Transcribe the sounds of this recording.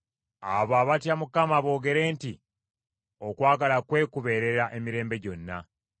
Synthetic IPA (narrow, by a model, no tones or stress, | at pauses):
a̰βaːβatjamukamaβo̞ːɡe̞ɾe̞ːnti | o̞kwaːɡalakwe̞ːkuβe̞ɾe̞ɾaʔe̞miɾe̞ːmbe̞ɟo̞nːa̰